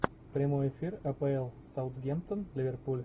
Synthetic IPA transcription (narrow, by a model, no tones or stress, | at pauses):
pɾʲɪmojɛfʲirɐpɛɛlˠsɐʊt̪ɡʲɛmt̪ənlʲɪvʲerpulʲ